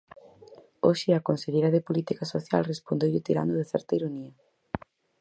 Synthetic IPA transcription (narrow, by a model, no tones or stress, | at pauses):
oʃɪakonseʎejɾɐðɪpolit̪ikasoθja̰lrespond̪ewʎɪt̪iɾa̰nd̪ʊðɪθɛ̰ɾt̪ɐiɾoniɐ